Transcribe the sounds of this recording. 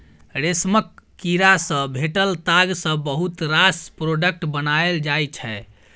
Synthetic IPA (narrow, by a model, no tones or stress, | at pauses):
ɾesməkːiɾasə̃bʱeʈəlt̪aɡsə̃bəɦut̪ɾaspɾoɖək̚ʈbənaeld͡ʒajt͡ʃʰɛ